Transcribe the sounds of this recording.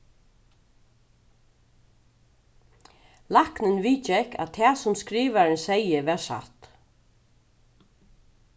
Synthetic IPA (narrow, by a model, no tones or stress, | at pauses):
laknɪnʋiːt͡ʃɛkæ̰t̪ʰɛːsʊmskɾiːʋaɾɪnsɛjəʋæːsa̰t̪